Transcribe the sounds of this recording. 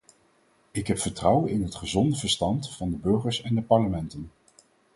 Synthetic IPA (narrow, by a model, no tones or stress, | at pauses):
ɪkɦɛpfəɹtrʌwənɪnɦətχəzɔndəvəɹstɑntfɑndəbɵɹχəɹsɛndəpɑɹləmɛntən